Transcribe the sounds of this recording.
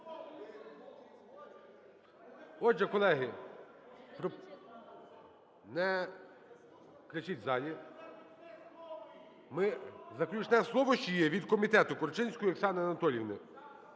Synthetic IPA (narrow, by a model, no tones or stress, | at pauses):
ɔʒɛkɔlˠɛɦɪ | pɾɔ | nɛ | kɾɪt͡ʃʲitʲzɑlʲi | mɪzɐklʲʊt͡ʃnɛslˠɔʋɔʃt͡ʃɔjɛʋʲid̪kɔmʲit̪ɛt̪ʊkɔrt͡ʃɪnʲsʲkɔjɔksɑnɪɐnɐt̪ɔlʲiʋnɪ